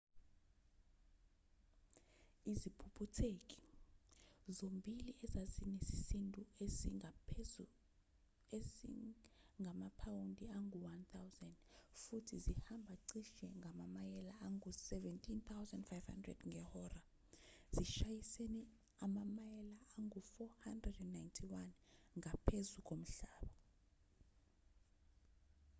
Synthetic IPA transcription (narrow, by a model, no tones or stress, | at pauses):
izipʰupʰutʰekʼi̥ | zombʱiliʔɛzazinesi̥sintʼueia | eiŋɡʱamapʰawundʼiaŋɡʱuwant̪ʰawzɛndfutʰizihambʱaǀiʃɛŋʱamamajɛlaaŋusɛvɛntʰʼint̪ʰawzandfajv̥ha̰ndrɛ̰d̥ŋɡɛhɔra | z̥iʃajiseni | amamajɛlaːŋufɔhandrɛdɛnːajntʰiwanŋʱapʰezuk̬ʼom̩ɬaːɓɔ